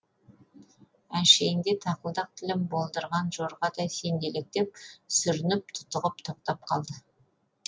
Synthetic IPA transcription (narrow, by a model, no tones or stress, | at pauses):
ænʃe̞ɡɪŋd̪e̞t̪ʰɑqəlˠd̪ɑq̚t̪ʰɪlɪmbo̞lˠd̪əɾʁɑnʒo̞ɾʁɑd̪ɑjse̞nd̪e̞lek̚t̪ep̚sʏɾɪnɪp̚t̪ʰʊ̥t̪əʁəp̚t̪ʰo̞q̚t̪ɑp̚qʰɑlˠd̪ə